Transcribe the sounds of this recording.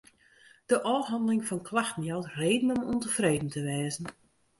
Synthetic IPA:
d̥əʔɔːrɦɑndəlɪŋfɔnkʰlaxtn̩jawtreːdən̩ɔmuntəfreːdən̩təʋɛːzən̩

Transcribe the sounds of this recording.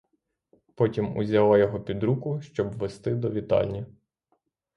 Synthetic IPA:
pɔtʲimṵzʲɐlˠɑjɔɦɔpʲid̪ɾukʊʃt͡ʃɔbʋest̪ɪd̪ɔʋʲit̪ɑ̰lʲnʲi

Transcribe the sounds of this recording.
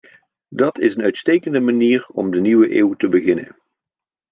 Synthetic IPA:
dɑtʰɪsənœɥtstejkəndəmaniːrɔmdəniwəʔeːwtəbəɣɪnə̰n

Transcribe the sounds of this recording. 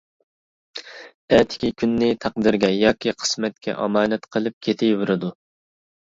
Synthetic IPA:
ɛt̪ʰɪ̥kʲikʲʰynːɪt̪ʰɑqd̪ɨɾɡʲɛjɑːkʲʰiqʰə̥smɛt̪̚kʲʰɛ̰ʔɑ̰mɑːnɛt̪qʰəlˠɨp̚kʲʰet̪ʰɪjvuɾɨd̪u

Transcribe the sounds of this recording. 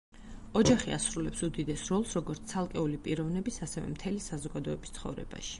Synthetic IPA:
ɔd͡ʒaχia̰sɾulɛpsud̪id̪ɛsɾɔlˠsɾɔɡɔɾt̪t̪ʰalˠkʼɛulipʼiɾɔvnɛbisasɛvɛ̰mt̪ʰɛlisazɔɡad̪ɔɛbist̪sʰχɔ̰vɾɛ̰ba̰ʃi̥

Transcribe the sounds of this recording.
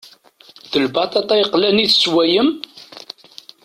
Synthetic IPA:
ðəlbɑt̪ˤɑt̪ˤæjqːlæniθswæjəm

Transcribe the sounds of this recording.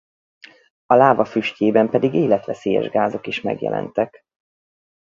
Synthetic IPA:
ɒlaːvɒfyʃceːbɛmpɛd̪iɡeːlɛt̪ʋɛseːjɛ̰ʒɡaːzo̞kiʃmɛ̰ɡjɛ̰lʔɛ̰nt̪ɛk

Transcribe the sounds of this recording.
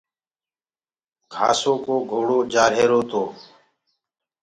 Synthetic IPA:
kʰa̰ːsoːkoːɡʱoːɽoːd͡ʒaːɾɦeːɾoːt̪ʰoː

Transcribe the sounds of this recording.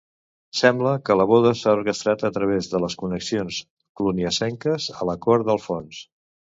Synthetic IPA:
sɛmbləkələβ̞ɔðəsaurkəst̪ɾat̪ət̪ɾəβezðələskunəksions | kluniəsɛŋkəzələkɔɾðəlˠfons

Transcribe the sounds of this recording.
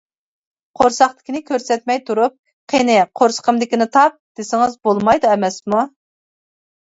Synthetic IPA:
qʰoɾsɑχt̪ɪ̥kʲinɪkʲʰøɾsɛt̪̚mɛjt̪ʰuɾup̚ | qʰenɪqʰoɾsə̥qʰəmd̪ɪkʲinɪt̪ʰɑp̚d̪̥ɪsɪŋɨzbolˠmɑjd̪uɛmɛsmu

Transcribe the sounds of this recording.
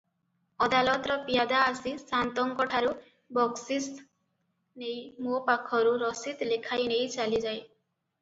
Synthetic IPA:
ɔd̪alɔt̪ɔɾɔpijad̪aːsisant̪ɔŋkɔʈʰaɾu | bɔksis | nejmopakʰɔɾuɾɔsit̪lekʰajnejt͡ʃalid͡ʒaj

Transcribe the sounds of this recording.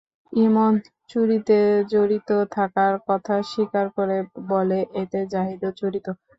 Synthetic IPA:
imon | t͡ɕuɾit̪ed͡ʑoɾit̪ot̪ʰakaɾkɔt̪ʰaʃikaɾkoɾeboleʔet̪ed͡ʑaɦid̪ot͡ɕuɾit̪o

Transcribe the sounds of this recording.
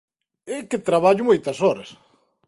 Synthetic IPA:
ekɪt̪ɾaβaʎʊmojt̪ɐsɔɾɐs

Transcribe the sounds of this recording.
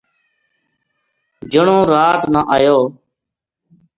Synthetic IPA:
d͡ʒəɳõːɾaːt̪nəʔaːjoː

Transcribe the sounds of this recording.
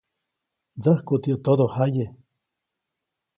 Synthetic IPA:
d͡zəhkut̪iot̪od̪ohaje

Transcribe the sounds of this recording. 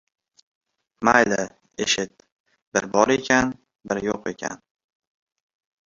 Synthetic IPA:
majlɪ | ḛʃɪt̪̚ | b̥ɪɾbɒɾe̞kʲʰan | bɪɾjoqe̞̰kʲʰa̰n

